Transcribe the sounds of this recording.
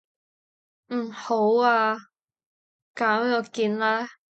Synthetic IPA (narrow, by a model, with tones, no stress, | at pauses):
m̩˨˩ho˨˥waː˧ | kaː˨˥m˥ɔː˨˧kiː˧nlɛː˥